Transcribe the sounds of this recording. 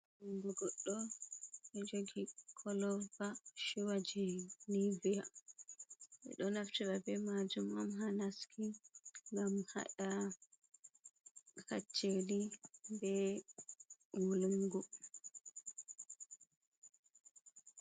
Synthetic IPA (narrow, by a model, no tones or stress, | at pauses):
luŋɡuɡɔɗːɔɓɛd͡ʒoɡikʰɔlɔbaʃuwad͡ʒinivija | ɓɛ̰ɗɔnaftiɓabɛmad͡ʒumamɦanaskʰiŋɡamha̰ɗa | ka̰t͡ʃːelibɛ | wuluŋɡu